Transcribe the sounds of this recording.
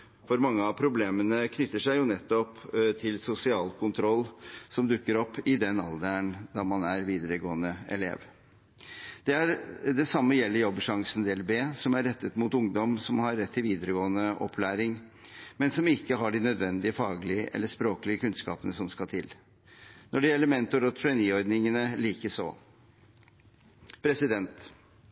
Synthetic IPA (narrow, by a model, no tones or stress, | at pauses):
fɔɾmɑŋːəɑpʰɾʊbleːmənəkʰnʏt̪ːəʂæɪjʊnɛt̪ːɔpt̪ʰɪlsʊsɪɑːlkʰʊnt̪ʰɾɔlːsɔmd̪ʉkːəɾɔpːɪd̪ɛnɑ̰ld̪æɳd̪ɑmɑnæɾʋiːd̪əɾəɡoːənəɛ̰lḛːʋ | d̪̥ɛæɾd̪ɛsɑmːəjɛlːəɾjɔbːʂɑŋsənd̪ɛːɛlbeːsɔmæɾːɛt̪ːət̪muːt̪ʊŋd̪ɔmsɔmhɑɾːɛt̪ʰːɪlʋiːd̪əɾəɡoːənəʔɔ̰pʰːlæːɾɪŋ | mɛnsɔmɪkːəɦɑɖɪnœd̪ʋɛnd̪ɪəfɑːɡəlɪəʔɛ̰lːəʂpɾoːkəlɪəkʉnskɑ̰ːpənəsɔmskɑt̪ʰɪ̰l | nɔɖɛjɛlːəɾmɛnt̪ʊɾɔt̪ʰʉɛniːɔɾd̪nɪŋənəliːkəʂɔ̰ː | pʰɾɛsɪd̪ɛnt̪